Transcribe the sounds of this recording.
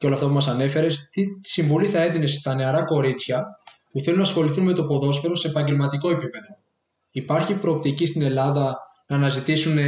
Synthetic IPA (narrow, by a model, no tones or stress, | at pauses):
eo̞lɐft̪ɐpumɐsɐne̞fe̞ɾe̞st̪isiɱvoliθɐe̞ðine̞st̪ɐne̞ɐɾɐko̞ɾit͡sçɐpuθe̞lunɐsxo̞liθunme̞t̪o̞po̞ðo̞sfeɾo̞se̞ːpɐɲɟe̞lmɐt̪iko̞e̞pipe̞ðo̞ | ipɐɾçipɾo̞ːp̚t̪icist̪ine̞lɐðɐ | nɐːnɐzit̪isune̞